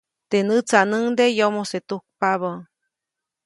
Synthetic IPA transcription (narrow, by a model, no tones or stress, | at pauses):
t̪enɨt͡sanɨŋd̪ejomoset̪uk̚paβə